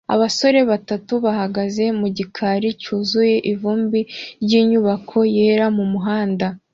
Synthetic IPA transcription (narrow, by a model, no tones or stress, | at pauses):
a̰βaso̞ɾe̞βatatuβaɦaɡaze̞muɟikʰaɾicuːzuje̞ʔivuːmbiɾɟiːɲuβakʰo̞je̞ːɾamumuɦaːnda